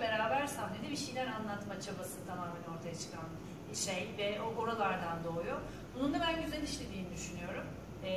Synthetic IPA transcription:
be̞ɾaːbæɾsamne̞d̪ibiʃijlʲæɾanlˠat̪mat͡ʃʰabasɯt̪ʰamamɦanio̞ɾt̪ʰajat͡ʃʰɯ̥kʰan | iʃejvɛoko̞ɾalˠaɾd̪and̪o̞ːjo | bunund̪abænɟyzeniniʃlʲe̞d̪iːnid̪yʃynyjo̞ɾum

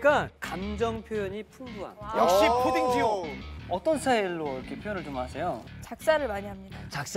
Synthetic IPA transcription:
k͈akamd͡ʑʌŋpʰjojʌɲipʰumbuɦa̰jʌkɕ͈ipʰodiŋd͡ʑioʌt͈ʌnsʰaiɭːoɾʌkʰe̞pʰjojʌnɯɭt͡ɕomasʰejot͡ɕak̚s͈aɾɯɭmaɲiɦamɲidat͡ɕak̚s͈

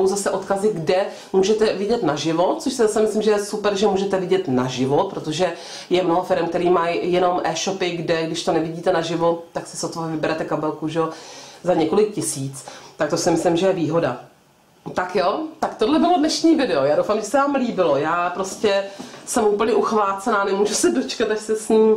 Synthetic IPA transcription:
wzasɛʔo̞t̪kazɪɡdɛ | muːʒɛt̪ɛvɪɟɛt̪naʒɪvot̪̚t͡soʃsɪzasɛmɪslɪmʒɛjɛsupɛɾʒɛmuːʒɛt̪ɛvɪɟɛt̪naʒɪvo̞t̪̚pɾot̪oʒɛ | jɛmno̞ɦofɪɾɛmkt̪ɛɾiːmajjɛno̞mʔɛːʃo̞pɪɡdɛɡdɪʃt̪o̞nɛvɪɟiːt̪ɛnaʒɪvo̞tt̪aksɪsot̪oɛvɪbɛɾɛt̪ɛkabɛlkuʒɛozaɲɛko̞lɪk̚cɪsiːt͡st̪ak̚t̪osɪmɪslɪmʒɛjɛviːɦo̞da̰ | t̪akjot̪akt̪odlɛbɪlo̞dnɛʃɲiːvɪdɛojaːdowfaːmʒɛsɛvaːmliːbɪlo̞jaːpɾo̞scɛsɛmʔuːpl̩ɲɛʔuxvaːt͡sɛnaːnɛmuːʒusɛdo̞t͡ʃkat̪aʃsɛsɲiː

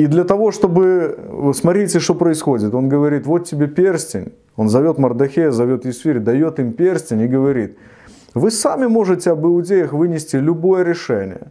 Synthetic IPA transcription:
id̪lʲɐt̪ɐvo̞ʂt̪o̞bɨsmɐt̪ɾʲitʲɪʂt̪opɾəɪsxo̞dʲɪt̪o̞nɡəvɐɾʲit̪vo̞t̪ʲːɪbʲepʲersʲtʲɪnʲ | o̞nzɐvʲo̞t̪mərd̪ɐxʲejəzɐvʲo̞t̪jɪsfʲiɾʲɪd̪ɐjo̞t̪ɨmpʲersʲtʲɪnʲɪɡəvɐɾʲit̪ | vɨsamʲɪmo̞ʐɨtʲɪɐbɨʊdʲejəxvɨnʲɪsʲtʲɪlʲʊbo̞jəɾʲɪʂɛnʲɪ̰jə̰

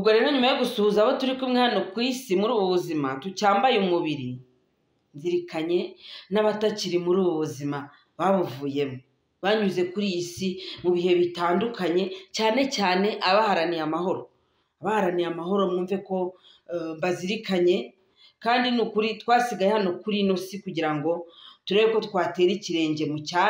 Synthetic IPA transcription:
uɡoɾenoɲumajoɡusuhuzaβo̞tuɾikumŋaːnokwiːsimuɾuːβoβuzimatucaːmbajumuβiɾi | nziɾikaɲe̞naβataciɾimuɾuːβoβuzima | βaβuvuːje̞mo | βaɲuze̞kuɾisimuβihe̞βitaːndukaɲe̞caːne̞caːne̞ʔaβahaɾanijamaho̞ɾo | aβahaɾanijamaɦo̞ɾo̞muːɱve̞ko̞ | mbaziɾikaɲe̞ | kaːndinukuɾitwaːsiɡajehano̞kuɾino̞sikuɟiɾaŋɡo̞tuɾe̞βeko̞tukwaːte̞ːɾiciɾe̞ːɲɟe̞muca

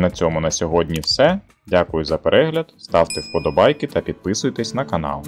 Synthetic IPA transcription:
nɐt͡sʲɔmʊnɐsʲɔɦɔdʲnʲiwsɛ | dʲakʊjʊzɐpeɾʔɛɦlʲɐd̪st̪ɑwt̪ɛwpɔd̪ɔbɑjkɪt̪ɐpʲid̪̚pɪsʊjt̪ɛsʲnɐkɐnɑ̰lˠ

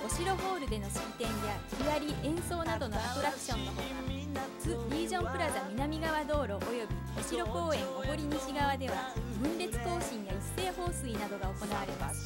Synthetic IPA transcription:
o̞ɕiɾo̞ɦo̞ːɾɯ̟d̪e̞no̞ɕi̥t̪ẽ̞ɰjaçʲijaɾʲiʔẽ̞ɰ̃so̞ːnad̪o̞no̞at̪o̞ɾakɯ̟̥ɕõ̞nːoo | t͡sɨɾʲiːʑõ̞mpɯ̟ɾad̪amʲinamʲiɡaβad̪o̞ːɾo̞ʔojo̞bʲi | o̞ɕiɾo̞ko̞ːẽ̞ŋkoko̞ɾʲiɲ̟iɕiɡaβad̪e̞β̞abɯ̟̃nɾe̞t͡sɨ̥ko̞ːɕĩɰ̃jaisːe̞ːho̞ːsɨinad̪o̞ɡao̞ko̞naβaɾe̞masɨ̥

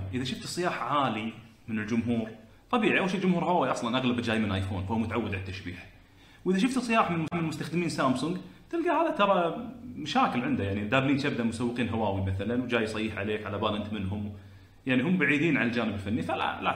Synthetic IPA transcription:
ʔɪðaʃʊft̪sˤːɨjaːħʕaːli | mɪnɪld͡ʒʊmɦuːɾ | t̪ˤɑbiːʕiʔawalʃiːld͡ʒʊmhuːɾhawaːwiʔɑsˤlɑnʔaɣlabd͡ʒaːjmɪnʔaːjfoːnfahuːmʊt̪aʕawːad̪ʕalt̪ːaʃbḭːħ | wʔɪðaʃ̬ʊft̪sˤːɨjaːħmɪnlmʊmɪnəlmʊst̪axd̪ɪmiːnsaːmsʊŋɡt̪ɪlɡahaːðat̪ɑɾˤɑmaʃaːkɪlʕɪnd̪ajaʕnid̪aːbliːnt̪ab̚d̪aʔmʊsawːɪqiːnɦawaːwimaθalanwd͡ʒaːjsˤɑjiːħʕa̰leːkʕalabaːlʔɪnt̪mɪnɦʊm | jaʕniɦʊmːbaʕiːd̪iːnʕanald͡ʒaːnɪbɪlfanːifala̰la̰

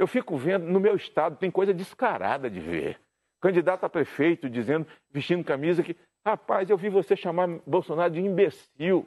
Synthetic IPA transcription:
ewfikʊvẽnd̪ʊnʊmewist̪ad̪ʊt̪ẽj̃kojzɐd͡ʒɪskaɾa̰d̪ɐd͡ʒɪ̰vḛɾ | kɐ̃d͡ʒid̪at̪ʊapɾefejt̪ʊd͡ʒizẽnd̪ʊ | viʃt͡ʃĩnd̪ʊkamizɐkɪ | hapazewvivoseʃamaɾbowsonaɾʊd͡ʒɪĩbes | iw

